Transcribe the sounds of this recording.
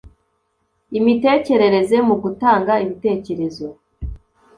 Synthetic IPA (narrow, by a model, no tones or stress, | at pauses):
imite̞ːce̞ɾe̞ɾe̞ze̞muɡutaːŋɡaimite̞ːce̞ɾe̞zo